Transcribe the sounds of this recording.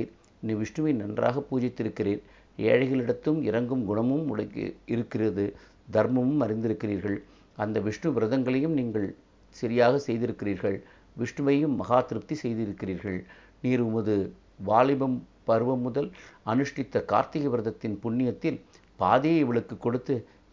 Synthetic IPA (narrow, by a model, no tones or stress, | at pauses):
ɾ | niʋɪʂɳɯʋɐɪnɐndra̰ːɣɐpːuːd͡ʒɪt̪ːɪɾɯkːɪreːɾ | ḛːɻɐɪɣɐɭɪɽɐt̪ːɯmɪɾɐŋɡɯmɡʊɳɐmɯmʊɽɐɪɾɯkːɪrɐðɯ | d̪ʱɐɾmɐmɯmɐɾɪnd̪ɪɾɯkːɪriːɾɣɐɭ | ɐnd̪ɐʋɪʂɳɯʋɪɾɐðɐŋɡɐɭɐjɯmniːŋɡɐɭ | sɪɾɪjaːɣɐsɛjðɪɾɯkːɪriːɾɣɐɭ | ʋɪʂɳɯʋɐjɯmːɐɣaːt̪ɪɾɯp̚t̪isɛjðɪɾɯkːɪriːɾɣɐɭ | niːɾʊmɐðɯ | ʋaːlɪbɐm | pɐɾɯʋɐmːʊðɐlɐnɯʂʈɪt̪ːɐka̰ːɾt̪ɪɣɐʋɪɾɐðɐt̪ːɪnpʊɳːɪjɐt̪ːɪl | paːðejɪʋɐɭɯkːɯkːɔɽɯt̪ːɯ